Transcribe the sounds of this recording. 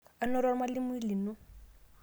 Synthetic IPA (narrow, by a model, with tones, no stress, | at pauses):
a˦nɔ˦ɾɔ˦ɾma˦li˦mu˦i˦li˨nu˦